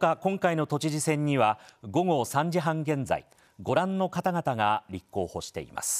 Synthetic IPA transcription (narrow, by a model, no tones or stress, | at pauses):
kakõ̞ŋkaino̞t̪o̞t͡ɕiʑisẽ̞ɲ̟ːiβaɡo̞ɡo̞sãɲ̟d͡ʑiɦãŋɡẽ̞nd͡za̰ḭ | ɡo̞ɾãnːo̞kat̪aɡat̪aɡaɾʲikːo̞ːho̞ɕi̥t̪e̞̰ḭma̰sɨ̥